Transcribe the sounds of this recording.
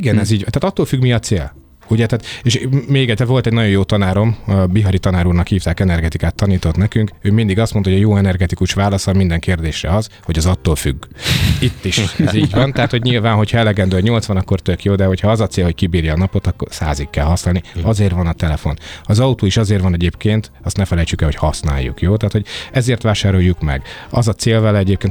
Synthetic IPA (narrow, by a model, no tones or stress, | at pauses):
iɡɛnɛziːɟ̪t̪aːt̪ɒt̪ːoːlfyɡmiɒt̪seːl | uɟɛt̪aːt̪eʃmeːɡɛcːsɛɾvo̞lt̪ɛɟnɒɟojoːt̪ɒnaːɾo̞mbiɦɒɾit̪ɒnaːɾuːrnɒkhiːft̪aːkɛnɛrɡɛt̪ikaːt̪ːɒniːt̪o̞t̪nɛkyŋkøːmind̪iɡɒst̪mnt̪hoɟɒjoːɛnɛrɡɛt̪ikuʃʋaːlɒsɒmind̪ɛŋkeːrd̪eːʃrɛ̰ɒz | ho̞ɟɒzɒt̪ːoːlfy̰ɡːit̪ːiʃɛziːɟvɒnt̪ɛɦat̪ho̞ɟɲilvaːnɦo̞cʰhɒɛlɛɡɛnd̪øːɒɲo̞lt̪sʋɒnɒkːo̞rt̪økjoːd̪ɛho̞cʰhɒɒzɒt̪seːlhockibiːrjɛːnɒpo̞t̪ɒkːo̰rsaːzikːɛlɦɒsnaːlniɒzeːrvɒnɒt̪ɛlɛfo̞nɒzɒut̪uːiʃɒzeːrʋɒnɛɟeːpkeːnt̪ | ɒst̪nɛfɛlɛjt͡ʃykɛlho̞chɒsna̰ːjːṵkjoːt̪ɛaːt̪hoɟɛzeːrt̪ʋaːʃaːɾo̞jːukmɛ̰ɡɒzɒt̪seːlvɛlɛɛɟeːpkeːn